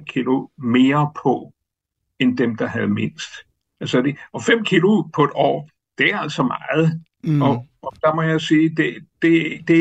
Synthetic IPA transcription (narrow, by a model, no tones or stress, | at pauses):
kʰilome̝ːɐpʰɒ̽ | end̥emd̥ɑ̈ɦæð̞̩ˠme̝n̰sd̥ | ʔælsəd̥e̝ʔɒ̽fem̰kʰilo̝pʰɒ̽e̝d̥ɒ̰ː | d̥e̝æɐæl̰sɒ̽mɑ̈ːð̞̩ˠ | ɒ̽ | ɒ̽d̥ɑ̈mɒ̽jɑsiːd̥ed̥e̝d̥e̝